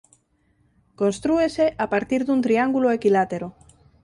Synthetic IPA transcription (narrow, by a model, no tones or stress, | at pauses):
konst̪ɾueseʔapaɾt̪iɾðunt̪ɾiaŋɡuloekilat̪eɾo